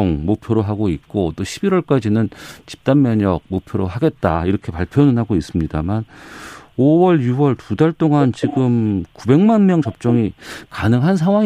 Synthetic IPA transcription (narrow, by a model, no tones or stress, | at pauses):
oŋmopʰjoɾoɦaɡoit̚k͈ot͈oɕʰibiɾwʌɭk͈ad͡ʑinɯnt͡ɕi̥p̚t͈anmjʌɲʌɡ̚mopʰjoɾoɦaɡe̞t̚t͈aiɾʌkʰe̞paɭpʰjʌnɯnɦaɡois͈ɯmɲidaman | owʌɭjuwʌɭtudaɭt͈oŋant͡ɕiɡɯmkube̞ŋmanmjʌŋt͡ɕʌp̚t͡ɕ͈ʌŋikanɯŋɦansʰaŋwaŋ